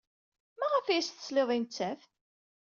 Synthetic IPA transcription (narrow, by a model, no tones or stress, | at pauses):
mæʁəfjæsθə̥sleðˤint͡sːæf